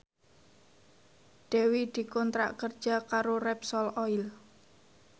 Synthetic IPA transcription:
ɖ̪̥ɛwid̪̥i̤kɔnt̪ɾa̰ʔkər̥ʒ̥a̤kaɾorɛpsɔlɔil

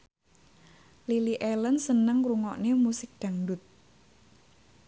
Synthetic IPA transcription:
liliʔelənsənəŋɾuŋɔʔnemusɪk̚d̪̥ä̤ŋdʊt̪̚

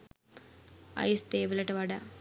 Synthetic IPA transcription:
ɐ̰jst̪eːʋilɐʈɐʋaɖɐ

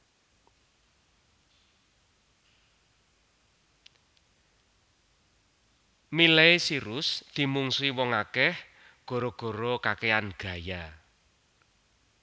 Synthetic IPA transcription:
mileesiɾʊsd̪̥i̤muŋsuiwɔŋakɛh | ɡ̥ɔ̤ɾɔɡ̥ɔ̤ɾɔkakeanɡ̥a̤ja

